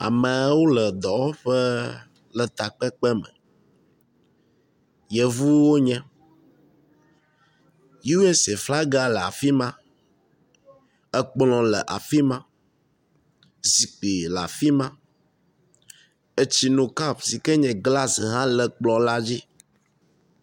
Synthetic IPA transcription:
a̰˨mɛ̃˨˦wo˦lɛ˨d̪ɔ˨wo˦ɸɛ˦ | lɛ˨t̪a˨k͡pɛ˦k͡pɛ˦mɛ̰̃˨ | jɛ˨vu˦wo˦ɲɛ̃˦ | ju˦we˦se˨fla˦ɡa˦lɛ˨a̰˨fi˦mã˦ | ɛ˦k͡plɔ̃˨lə˨ʔa˨fi˦mã˦ | zi˨k͡pi˨la̰˨fi˦mã˦ | e˦t͡ɕi˦nũ˨ka˦psi˨kɛ˦ɲɛ̃˨ɡla˦sɦã˦lɛ˨k͡plɔ˨la˦d͡ʑi˦

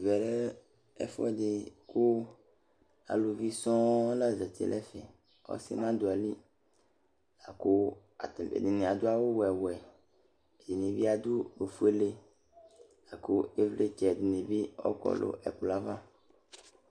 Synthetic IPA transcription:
vɛ˨ɾɛ˦ | ɛ̰˦fɔ̰˦ɛ˦dɪ˨kʰʊ˦ | a̰˨lo˨vi˦sɔ̃˦la˦zɛ˨t̪ʰḭ˨lʔɛ˦fɛ̰˨ | ɔ̰˦sɪ̰˦nã˦d̪ʊ˨a˨li˦ | a˨ko˦ | a˨ḛ˨dɪ˨nẽ˨a˨d̪ʊ˦a˦wo˦wɛ˨wɛ˨ | e˨di˨nẽ˨bi˦a˦d̪u˦ɾo˨fu˦e˦le˦ | a˨ko˦e˦vle˦t͡ʃɛ˨dɪ˨nẽ˨bi˦ɔ̰˦kɔ̰˦lʊ̰˨ʔɛ̰˨kla˦va˦

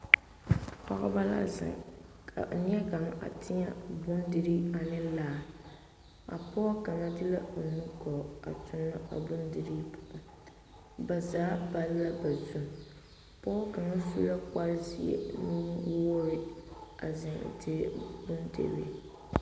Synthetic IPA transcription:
pa̰˦ɣa̰˦ba˦la̰˦za̰˨ŋkʰa̰˨ʔn˦ɛ˦ɡa˨ŋa̰˨tʰɪ˦ɲa˦bʊ˦ndɪ˦ɾi˦a˨nɪ˦laː˦˨ | a̰˨pɔ˦ka˨ŋa˦dɪ˦la˦o˨nu˦kɔ˨a̰˨tʰʊ˨mːa˦ʔa̰˨bʊ˦ndɪ˨ɾi˦pʰʊ̥˨ʔʊ˨ | ba˨zaː˨˦ba˦lːa˦ba˨zu˨m | pɔ˦ka˨ŋa˦su˦la˦ka˦lzi˦ḛ˦nuː˦wo˦ɾɪ˦a˨zɪ˨ŋ̰˨tɪ˦bʊ˦ndḛ˦bḛ˨

